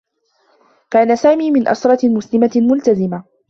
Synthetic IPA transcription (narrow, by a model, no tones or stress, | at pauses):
kaːnasaːmiːmɪnʔa̰sɾˤɑmʊslɪmamʊlt̪azɪma